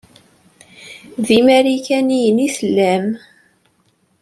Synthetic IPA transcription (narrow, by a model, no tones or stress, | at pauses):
ðimæɾikænijənisəlːæm